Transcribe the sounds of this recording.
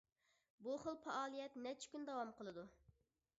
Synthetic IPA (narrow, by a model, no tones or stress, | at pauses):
buχəlˠpʰɛʔɑːlˠijɛt̪nɛt͡ʃʰi̥kʲynd̪ɑwɑmqəlˠɨd̪u